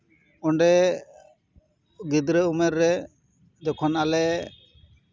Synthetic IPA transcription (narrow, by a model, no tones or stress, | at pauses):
ɔɳɖɛ | ɡid̪ɾəumɛɾːɛ | d͡ʒɔkʰɔnalɛ